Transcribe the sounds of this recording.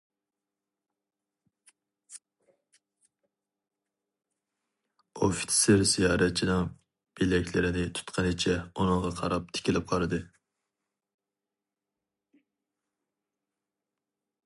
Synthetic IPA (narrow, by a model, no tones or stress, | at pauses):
ufɪ̥t̪ʰɪ̥sɪɾzijɑːɾɛt͡ʃʰinɨŋ | b̥ilɛkʲlɪɾɪnɪt̪ʰu̥t̪qʰɑnɪt͡ʃʰɛunɨŋʁɑqʰɑɾɑp̚t̪ʰɪ̥kʲʰilɪp̚qʰɑɾɨd̪ɨ